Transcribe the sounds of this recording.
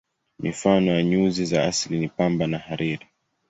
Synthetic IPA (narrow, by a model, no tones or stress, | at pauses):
mifanɔjaɲuzizaaslinipambanahaɾiɾi